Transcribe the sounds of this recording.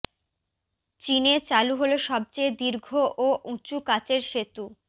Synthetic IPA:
t͡ɕinet͡ɕaluɦoloʃɔb̚t͡ɕejd̪iɾɡʱoʔoʔut͡ɕukat͡ɕeɾʃet̪u

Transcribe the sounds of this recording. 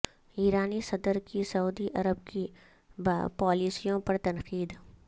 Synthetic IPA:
iːɾaːnisɐd̪əɾkisɐuːd̪iʔɐɾəb̚ki | pɔːliːsijõpɐɾt̪ɐnqiːd̪

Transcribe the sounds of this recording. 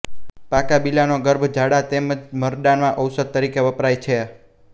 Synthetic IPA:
pakabilanoɡəɾbʱd͡ʒʱaɽat̪eməd͡ʒməɾd̪anmãʔəwsəd̪̚t̪ːəɾikeʋəpɾajt͡ʃʰe

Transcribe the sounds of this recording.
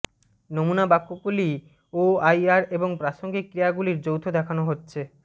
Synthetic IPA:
nomunabakːokuli | oajaɾeboŋpɾaʃoŋɡikːɾiaɡuliɾd͡ʑowt̪ʰod̪ɛkʰanoɦotːɕʰe

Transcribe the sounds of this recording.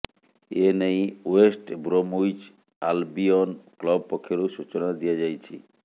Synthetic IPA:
enejwesʈbɾomujt͡ʃ | albiɔnklɔbpɔkʰːjeɾusut͡ʃɔnad̪ijad͡ʒajt͡ʃʰi

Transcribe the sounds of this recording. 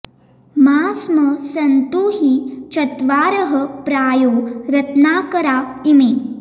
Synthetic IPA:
maːsməsɐnt̪uɦit͡ʃɐt̪ʋaːɾəɦəpɾaːjoɾɐt̪naːkəɾaː | ime

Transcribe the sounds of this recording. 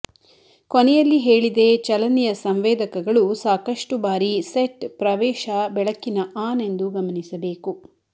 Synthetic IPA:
konɛjɐlːiɦeːɭid̪e̞t͡ʃɐlɐnijɐsɐmʋeːd̪ɐkɐɡɐɭusaːkɐʂʈubaːɾiseʈpɾɐʋɛːʃɐbɛɭɐkːinɐʔaːne̞nd̪uɡɐmɐnisɐbe̞ːku

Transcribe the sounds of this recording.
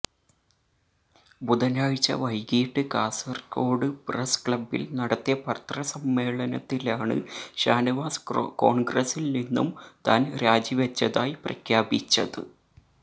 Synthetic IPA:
bud̪ɐnaːɻt͡ɕːɐ̰ʋɐjɡiːʈːɨkaːsɐrko̞ːɽɨpreskɭɐbːḭlnɐɽɐt̪ːijɐpɐrt̪rɐsɐmːe̞ːɭɐnɐt̪ːilaːɳɨ̰ɕaːniʋaːsko̞ːɳɡrɐsilninːṵmt̪aːnɾaːd͡ʑiʋɐt͡ɕːɐðaːjiprɐ̰kʰjaːbit͡ɕːɐðɨ̰

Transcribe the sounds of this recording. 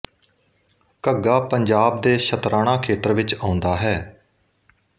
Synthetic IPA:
kəɡaːpəɲd͡ʒaːb̚d̪eːʃʰət̪ɾaːɽ̃ãːkʰeːt̪ɾʋɪt͡ʃãːʊ̃nd̪aːɦɛː

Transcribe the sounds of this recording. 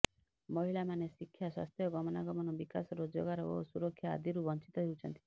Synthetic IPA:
mɔɦilamanesikʰːjaswa̰st̪ʰjɔɡɔmɔnaɡɔmɔnɔbikasɔɾod͡ʒoɡaɾɔo̰suɾɔkʰːjaa̰d̪iɾubɔnt͡ʃit̪ɔɦewt͡ʃʰɔnt̪i̥

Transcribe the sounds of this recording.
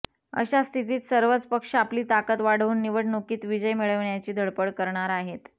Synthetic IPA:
ə̰ɕast̪ʰit̪̬iːt̪səɾʋət͡spəkʂapliːt̪akət̪ʋaɽ̤ʋuːnːiʋəʈnokiːt̪ʋid͡ʑəjmiɭəʋɳjat͡ɕiːd̪ʱəɭpəɽkəɾɳaɾaɦet̪

